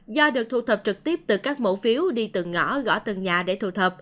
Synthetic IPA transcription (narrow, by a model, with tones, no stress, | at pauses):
zɔ˧ɗɨ˨˩ək̚t̪ʰu˧˦t̪ʰə˨˩p̚t͡ɕɨ˨˩k̚t̪i˦˥əp̚t̪ɨ˨˩kaː˦˥k̚mo̰˧˥fi˨˦əwɗi˧t̪ɨ˨˩ŋŋɔ˧˩ɣɔ̰˧˥t̪ɨ˨˩ŋɲaː˨˩ɗe˧˩t̪ʰṵ˧˩t̪ʰə˨˩p̚